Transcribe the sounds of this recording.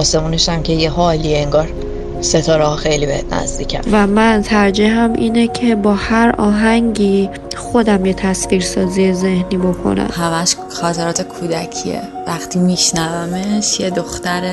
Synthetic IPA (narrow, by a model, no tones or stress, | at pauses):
ɒːse̞muːneʃæmcʰejeɦɒːlieeŋɡɒːɾ | set̪ʰɒːɾehɒxejliːbehet̪ʰnæ̰zd̪iːcʰæ̰nvæmænt̪ʰæɾd͡ʒeɦæmʔiːnecʰe̞bɒːhæɾɒːɦæŋɟiː | xo̞d̪æmjet̪ʰæsviːɾsɒːzie̞ze̞hniːbo̞kʰo̰næ̰mhæmæʃ | xɒːt̪ʰeɾɒːt̪ʰekʰuːd̪æcʰḭḛ | væxt̪ʰiːmiʃnævæmeʃjed̪o̞xt̪æɾe